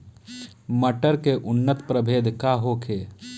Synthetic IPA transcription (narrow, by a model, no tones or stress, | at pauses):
məʈəɾkeʔʊnːət̪pɾəbʱeːd̪ʱkaːɦokʰeː